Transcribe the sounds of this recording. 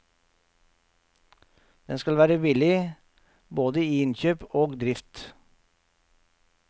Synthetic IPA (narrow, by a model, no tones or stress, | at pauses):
d̪̥ɛnskɑlʋæːɾəʋɪlɪ | boːd̪əiːɪnçøːpoːɡd̪ɾɪft̪